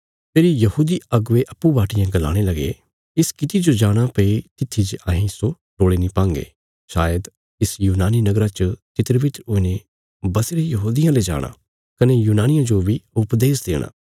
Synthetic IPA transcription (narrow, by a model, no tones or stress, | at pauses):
peːɾijɐhuːd̪iɐɡʊʋeʔɐpːubaːʈɪjãɡɐla̰ːɽ̃elɐɡḛ | ɪskɪt̪id͡ʒod͡ʒaːɽ̃apɐit̪ɪt̪ʰːid͡ʒaɦĩso | ʈoːɭenĩpãːŋɡḛː | ʃaːjəd̪ | ɪsjuːnaːninɐɡɾat͡ʃət͡ʃ̪ɪt̪ɾbɪt̪ɾʊne | bɐseɾejɐɦuːd̪ɪjãled͡ʒa̰ːɽ̃a̰ː | kɐnejuːnaːnɪjãd͡ʒobiʊpd̪eːsd̪ḛːɽ̃a̰ː